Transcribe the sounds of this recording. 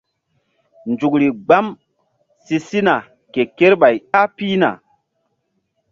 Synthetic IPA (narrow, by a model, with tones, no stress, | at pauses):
nd͡ʒu˨kɾi˨ɡ͡ba˦m | si˦si˦na˨ | ke˨ke˦ɾɓa˨ja˦piː˦na̰˨